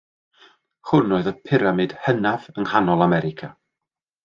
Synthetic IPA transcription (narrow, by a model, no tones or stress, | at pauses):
hʊnoːɨðəpʰɪɾamɨd̥hənavəŋhanɔlˠamɛɾɪkʰa